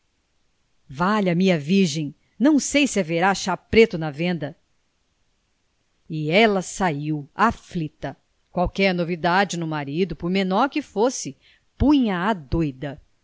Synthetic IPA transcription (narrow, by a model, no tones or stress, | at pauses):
vaʎɐmĩɐviɾʒẽj̃ | nɐ̃w̃sejsɪɛveɾaʃaɾpɾet̪ʊnɐvẽnd̪ɐ | ɪɛlɐsaiwaflit̪ɐ | kwawkɛɾnovid̪ad͡ʒɪnʊmaɾid̪ʊpʊɾmẽnɔɾkɪfosɪ | pũɲɐad̪ojd̪ɐ